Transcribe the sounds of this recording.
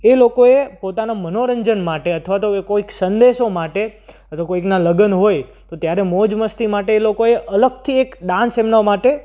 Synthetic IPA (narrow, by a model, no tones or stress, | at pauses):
elokoepot̪anamənoɾəɲd͡ʒənmaʈeət̪ʰʋat̪oekoiksənd̪eʃomaʈe | ət̪okoiknaləɡənɦojt̪ot̪jaɾɛmod͡ʒməst̪imaʈeːlokoeʔələɡ̚t̪ʰiekɖãnsemnamaʈe